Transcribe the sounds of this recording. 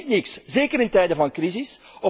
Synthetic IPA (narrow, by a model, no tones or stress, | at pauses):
tnɪkszeːkəɾɪntɛjdəvɑnkrizɪsɔ